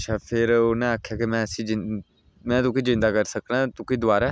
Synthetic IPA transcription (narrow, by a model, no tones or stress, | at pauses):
ʃʰaːpʰɪɾonãːaːkʰjaːkimɛ̃ːəsĩːd͡ʒɪ | mɛ̃ːt̪ʊkiːd͡ʒɪ̃nd̪aːkəɾsəknãːt̪ʊkiːd̪ʊaːɾaː